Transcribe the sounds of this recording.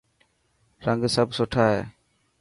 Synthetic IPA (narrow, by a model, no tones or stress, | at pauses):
ɾãŋɡsəbsɔʈʰaɛ